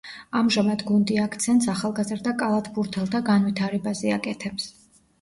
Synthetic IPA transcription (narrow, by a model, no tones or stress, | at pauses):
amʒamad̪ɡund̪iakʰt̪sʰɛnt̪saχalˠɡazɾd̪akʼalˠat̪ʰbuɾt̪ʰɛlˠt̪ʰaɡanvit̪ʰaɾɛbazɛakʼɛt̪ʰɛps